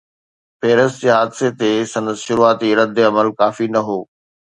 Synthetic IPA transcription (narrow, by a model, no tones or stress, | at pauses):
peːɾəst̪d͡ʑeːɦaːd̪set̪esɐ̃nd̪əsʃʊɾuaːt̪iɾɐd̪eɐməlkaːfinɐɦoː